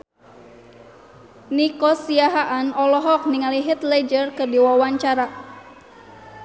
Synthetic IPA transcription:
nikɔsiaɦaʔanɔlɔɦɔk̚niŋaliɦɛt̪lɛd͡ʒərkɨrdiwawaɲt͡ʃaɾa

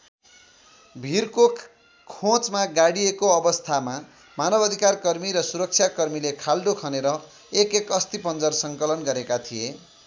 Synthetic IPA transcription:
bʱirko | kʰõt͡smaɡaɽiekoʌbʌst̪ʰama | manʌbʌd̪ʱikarkʌrmiɾʌsuɾʌk̚t͡sʰjakʌrmilekʰalɖokʰʌneɾʌ | ekekʌst̪ipʌnd͡zʌrsʌŋkʌlʌnɡʌɾekat̪ʰie

